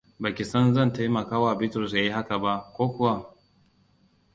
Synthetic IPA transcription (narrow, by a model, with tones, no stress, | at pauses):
ba˨kʲɪ˨sɐ˦nzɐ˦˨nta˦jmɐ˨kaː˦waː˦˨bɪ˦tɾɔ˨s̬jaː˦ji˦ha˦ka˨ba˦ʔkʷoː˦kʷʊ˦wa˦